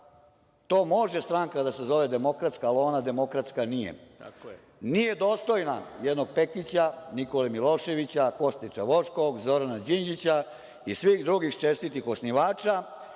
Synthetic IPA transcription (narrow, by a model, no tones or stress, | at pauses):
t̪o̞ːmo̞ʒest̪ɾaŋkad̪ase̞zo̞ʋed̪e̞mo̞kɾat̪skaːloːnad̪e̞mo̞kɾat̪skanijḛ | nijed̪o̞ːst̪o̞jnajɛd̪no̞ɡ̚pekit͡ɕanikolemilo̞ːʃe̞ʋit͡ɕako̞st̪it͡ʃaʋo̞ʃko̞ɡzo̞ɾanad͡ʑind͡ʑit͡ɕa | isʋixd̪ɾuɡixt͡ʃest̪it̪ixosniʋaːt͡ʃa